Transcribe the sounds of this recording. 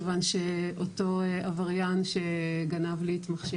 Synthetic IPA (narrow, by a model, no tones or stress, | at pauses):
vanʃeʔoto̞avaʁjanʃeɡanavliːt̪maχʃe